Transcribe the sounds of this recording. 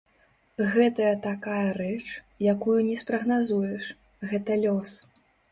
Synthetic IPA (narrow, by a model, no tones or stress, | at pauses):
ɣɛt̪ɐjɐt̪akajɐrɛt͡ʂ | jakujunʲɛspɾɐɣnazujɛʂ | ɣɛt̪ɐlʲɔs